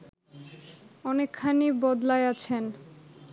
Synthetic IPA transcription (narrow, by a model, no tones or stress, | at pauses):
ɔnekʰːanibɔd̪laeat͡ɕʰen